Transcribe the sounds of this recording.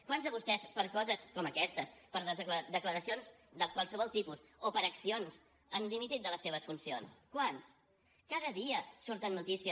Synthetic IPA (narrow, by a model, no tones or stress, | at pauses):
kwanzðəβust̪ɛspəɾkɔzəskɔməkɛst̪əspəɾðəzəkləd̪əkləɾəsionzd̪əkwalˠsəβɔlˠt̪ipus | opəɾəksionz | ənlimit̪it̪̚d̪ələsːeβəsfunsionskwans | kaðəðiəsuɾt̪ənːut̪isiə